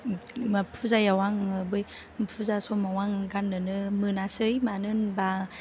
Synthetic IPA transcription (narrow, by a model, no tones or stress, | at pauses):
mapʰuzajawaŋbɯj | pʰuzasɔmawaŋɡanːɯnɯmɯnasɯjmanɯnba